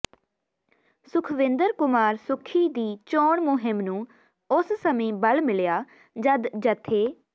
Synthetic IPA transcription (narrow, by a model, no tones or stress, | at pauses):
sʊkʰʋɪnd̪əɾkʊmaːɾsʊkʰːiːd̪iːt͡ʃɔːɳmʊɦɪmnũː | ʊssəmĩːbəlmɪljaː | d͡ʒəd̪d͡ʒət̪ʰːeː